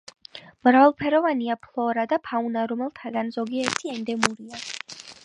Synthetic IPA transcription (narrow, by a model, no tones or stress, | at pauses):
mɾavalˠpʰɛɾɔvaniapʰlˠɔɾad̪apʰaunaɾɔmɛlˠt̪ʰaɡanzɔɡiɛɛɾt̪ʰiɛnd̪ɛmuɾia